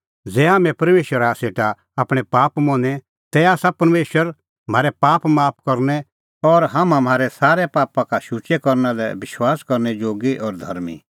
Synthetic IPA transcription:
d͡zɛːɦaːmɛ̃pɐɾmeːʃwəɾaseːʈa | aːpɽ̃ɛpaːpmɔ̃ːnɛ | t̪ɛaːsapɐɾmeːʃwəɾ | m̤aːɾɛpaːpmaːp̚ʰkɐɾnɛ | ɔɾɦaːmãm̤ʱaːɾɛsaːɾɛpaːpãkaʃut͡ʃekɔɾnalɛbɪʃwaːskɔɾnɛd͡ʒoːɡiʔɔːɾd̪ʱɐɾmḭ

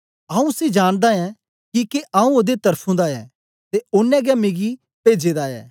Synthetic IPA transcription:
ɐũsid͡ʒaːñd̪aɛ̃ | kikeʔaũoːd̪et̪ɐɾpʰũd̪aɛ | t̪eʊnːɛ̃ɡɛmẽːɡi | peːd͡ʒed̪aɛ̰ː

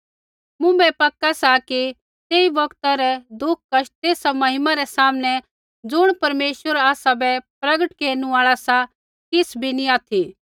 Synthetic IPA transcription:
mʊ̃bɛpɐkːasaki | t̪eːibɐkt̪aɾɛd̪ʊk̚ʰkɐʃt̪eːsamɐɦɪmaɾɛsaːmnɛ | d͡zʊɽ̃pɐɾmeːʃwəɾaːsabɛpɾɐɡəʈkeːñũaːɭasa | kɪsbʱiniaːt̪ʰi

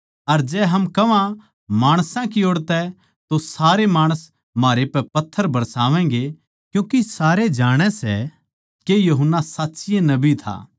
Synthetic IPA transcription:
ɐɾd͡ʒɛːɦɐmkɐʋã | maːɽ̃sãkioːɽt̪ɛ | t̪osaːɾemaːɽ̃əs | maːɾepɛpɐt̪ʰːəɾbʱɐɾsaːʋɛ̃ːɡe | kjũːkisaːɾed͡ʒaːɽ̃ɛsɛ̰ | kejuɦənːasaːtːsɪjenɐbit̪ʰa̰ː

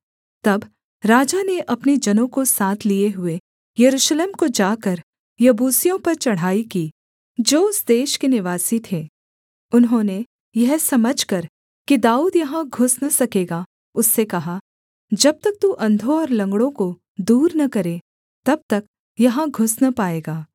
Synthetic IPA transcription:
t̪ɐb | ɾaːd͡ʒaneʔɐpned͡ʒɐnõkosaːt̪ʰlieɦʊe | jɐɾuːʃleːmkod͡ʒaːkɐɾ | jɐbuːsijõpɐɾt͡ʃɐɽ̤aːikiː | d͡ʒoːʊsd̪eːʃkenɪʋaːsit̪ʰeː | ʊnɦõne | jɛɦsɐməd͡ʒʱkɐɾ | kid̪aːuːd̪jɐɦãɡʱʊsnɐsɐkeːɡaː | ʊsːekɐɦa | d͡ʒɐb̚t̪ɐk̚t̪uʔɐ̃nd̪ʱõɔːɾlɐ̃ŋɡɽõko | d̪uːɾnɐkɐɾe | t̪ɐb̚t̪ɐk̚ | jɐɦãɡʱʊsnapaːeːɡaː

